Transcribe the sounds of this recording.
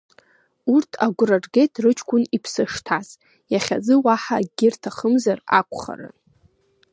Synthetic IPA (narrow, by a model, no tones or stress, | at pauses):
urtʰaɡʷrarɡejtʰrɨt͡ʃʰkʷʰʼʊnipʰsɨʂtʰaz | jaχʲad͡zɨwaħaːɡʲɪrtʰaχəmzara̰kʷχa̰ra̰n